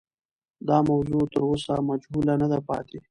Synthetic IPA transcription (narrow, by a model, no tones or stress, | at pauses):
d̪ɑmawzot̪əɾosamad͡ʒhulanəd̪apɑ̰t̪e